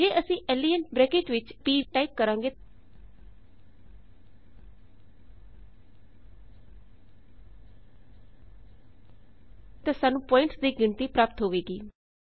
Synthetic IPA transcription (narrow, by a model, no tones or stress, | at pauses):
d͡ʒeːʔəsĩːʔɛːliːənbɾɛːkeːʈʋɪt͡ʃpiːʈaːɪk̚kəɾãːŋɡeː | t̪ãːsaːnũːpɔːɪɳʈsd̪iːɡɪɳt̪iːpɾaːp̚t̪ɦoːʋeːɡiː